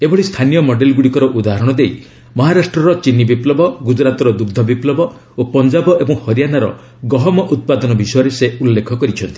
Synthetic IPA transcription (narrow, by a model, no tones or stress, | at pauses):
ebɔɭist̪ʰanijɔmɔɖelɡuɽikɔɾɔʔud̪aɦɔɾɔɽ̃ɔd̪ej | mɔɦaɾasʈɾɔɾɔt͡ʃinibiplɔbɔɡud͡ʒɾat̪ɔɾɔd̪uɡd̪ʱɔbiplɔbɔ | opɔnd͡ʒabɔʔebɔŋhɔɾijanaɾɔ̰ | ɡɔɦɔmɔʔut̪̚pad̪ɔnɔbisɔjɔɾeseulːekʰɔkɔɾit͡ʃʰɔnt̪i̥